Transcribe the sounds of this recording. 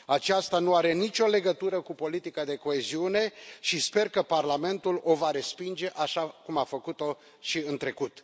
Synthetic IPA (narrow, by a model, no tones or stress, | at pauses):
at͡ʃast̪anuaɾe̞nit͡ʃʲo̞le̞ɡət̪uɾəkupo̞lit̪ikad̪e̞ko̞e̞ziune̞ʃispe̞rkəparlame̞nt̪ulo̞vaɾe̞spind͡ʒe̞ʔaʃakumafəkut̪o̞ | ʃiɨnt̪ɾe̞kut̪